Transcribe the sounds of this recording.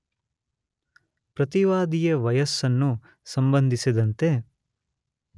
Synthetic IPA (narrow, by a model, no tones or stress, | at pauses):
pɾɐt̪iʋaːd̪ijɐʋɐjɐsɐnːu | sɐmbɐnd̪ʱisid̪ɐnt̪e̞